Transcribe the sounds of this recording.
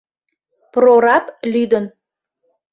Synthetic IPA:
proɾɑplyd̪ən

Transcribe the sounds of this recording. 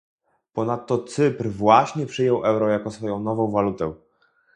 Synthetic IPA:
pɔnat̪ːɔt̪sɘpɾvwaɕɲɛpʂɘjɔwʔɛwɾɔjakɔsfɔjɔ̃w̃nɔvɔ̃w̃valut̪ɛ

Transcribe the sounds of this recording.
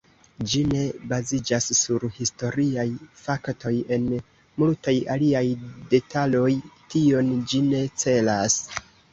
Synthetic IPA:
d͡ʒine̞bazid͡ʒasːuɾhisto̞ɾiajfakto̞je̞n | multajaliajde̞talo̞jtio̞nd͡ʒine̞t͡se̞las

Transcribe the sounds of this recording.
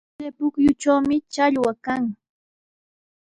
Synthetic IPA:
epʊkjʊt͡ʃawmɪt͡ʃaʎwakaŋ

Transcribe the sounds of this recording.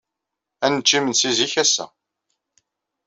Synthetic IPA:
ænət͡ʃːimənsiziçæsːæ̰

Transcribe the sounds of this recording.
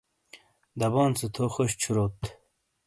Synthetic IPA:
d̪ɐbɑːnsət̪ʰoxoɕt͡ɕʰuɾot̪

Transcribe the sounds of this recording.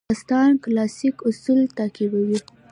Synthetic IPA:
ɪst̪ɑnklɑsikʊsult̪ɑkib̪awi

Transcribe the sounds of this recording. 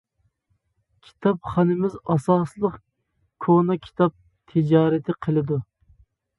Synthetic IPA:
kʲʰi̥t̪ʰɑpχɑnɪmɪzɑsɑslˠəq | kʰonɑkʲʰi̥t̪ʰɑp̚ | t̪ʰɪd͡ʒɑːɾɛt̪ʰɪqʰəlˠɨd̪u

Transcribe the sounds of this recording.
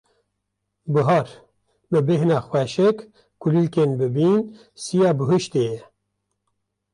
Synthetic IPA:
bɨɦɑːɾ | bɨbɪɦnɑːxwɛʃɪk | kulilkenbɨbin | sijɑːbɨɦuʃt̪ejɛ

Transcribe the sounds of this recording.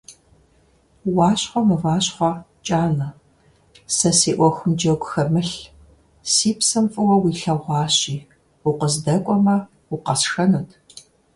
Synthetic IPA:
wɑːɕχʷɔmɨvaːɕχʷɐ | t͡ʃʼaːnɐ | sɐsiːʔʷɔxʷʊmd͡ʒɐɡʷʊxɐmɨɬ | siːpsɐmfʼɨwɐwiːɬɐʁʷɑːɕʼiː | ʊqəzdɐkʷʼɔmɐ | uqɐsxɐnuːtʰ

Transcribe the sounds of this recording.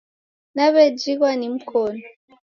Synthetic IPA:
naβed͡ʒiɣwanimukʰonɔ

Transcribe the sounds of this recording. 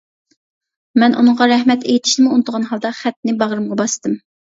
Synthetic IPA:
mɛnʔṵnɨŋʁɑɾɛhmɛt̪ʰejit̪ʰɪ̥ʃnɪmuunɨd̪əʁɑnɦɑlˠd̪ɑχɛt̪ːnɪbɑʁɾɨmʁɑbɑst̪ɨm

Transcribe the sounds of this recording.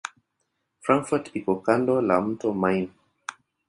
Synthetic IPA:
fɾãŋkfɔtikɔkandɔlam̩tɔmajn

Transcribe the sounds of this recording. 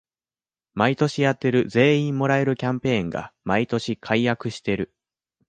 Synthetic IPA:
mait̪o̞ɕijat̪ːe̞ɾɯ̟ze̞ːĩmmːo̞ɾae̞ɾɯ̟kʲãmpẽ̞ːŋɡa̰mait̪o̞ɕikʰaijakɯ̟ɕi̥t̪e̞ɾɯ̟

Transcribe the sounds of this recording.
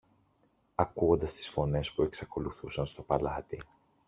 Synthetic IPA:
ɐkuo̞nd̪ɐst̪i̥sfo̞ne̞spue̞ksɐko̞luθusɐnst̪o̞pɐlɐt̪i

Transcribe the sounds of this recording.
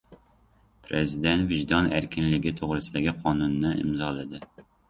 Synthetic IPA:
pʰɾezid̪ɛnt̪vɪʒd̪ɑnæɾkʲinlɪɡʲit̪ʰoʁɾɨsɪd̪ɪɡʲiqʰɑːnunːɪḭmzɑːlˠɨd̪ɪ

